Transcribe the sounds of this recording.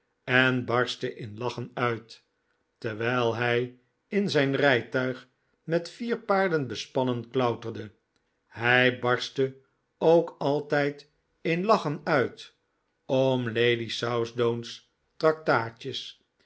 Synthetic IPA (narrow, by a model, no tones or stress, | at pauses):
ɛnbɑɹstəʔɪnlɑχənœɥt | təʁʋɛjlˠɦɛj | ɪnzɛjnrɛjtœɥχ | mɛtfiːʁpaːɹdənbəspɑnənklœwtərdə | hɛjbɑɹstə | owkɑlˠtɛjt | ɪnlɑχənœɥt | omlejdisawsdowns | trɑk̚taːt͡ʃəs